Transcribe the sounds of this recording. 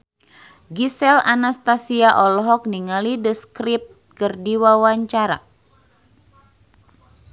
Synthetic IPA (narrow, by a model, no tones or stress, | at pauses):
ɡisɛlanast̪asiaʔɔlɦɔk̚niŋalidəskɾip̚t̪̚kɨrdiwawaɲt͡ʃaɾa̰